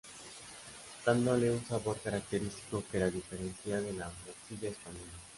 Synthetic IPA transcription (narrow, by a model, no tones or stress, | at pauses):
d̪̥and̪oleunsaβoɾkaɾak̚t̪eɾist̪i̥kopeɾaðifeɾenθjaðelaːmoɾsiʎaespaɲola